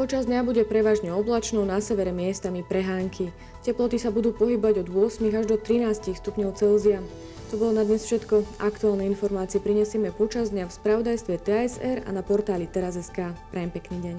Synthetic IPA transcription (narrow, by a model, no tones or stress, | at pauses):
pɔt͡ʃazd̪ɲabuɟɛpɾɛʋaːʒɲɛɔblat͡ʃnɔʊnasɛʋɛɾɛmɪɛst̪amipɾɛɦaːŋkʰi | cɛplɔt̪isabud̪uːpɔɦibɔʋaɟɔd̪ʊɔsmiɣaʒd̪ɔt̪ɾinaːscixst̪upɲɔʊt͡sɛlzia | t̪ɔbɔlɔnad̪ɲɛsfʃɛt̪kɔakt̪uaːlˠnɛjinfɔɾmaːt͡siɛpɾiɲɛsɪɛmɛpɔt͡ʃazd̪ɲafspɾaʋɔd̪ajst̪ʋɛt̪ɛɛzɛɾa̰napɔɾt̪aːlit̪ɛɾazɛskaːpɾajɛmpɛkniːɟɛɲ